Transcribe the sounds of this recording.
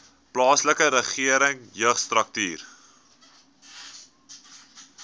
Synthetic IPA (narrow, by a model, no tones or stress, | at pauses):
plɑːsləkəɾəχiəɾəŋjœχstrɐk̚tiːr